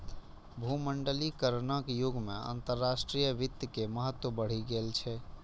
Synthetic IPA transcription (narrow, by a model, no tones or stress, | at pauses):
bʱuməɳɖəlikəɾnəkjuɡʱmḛə̰nt̪əɾːasʈɾijəʋit̪jəkeməɦət̪wəbəɽ̤iɡelt͡ʃʰɛ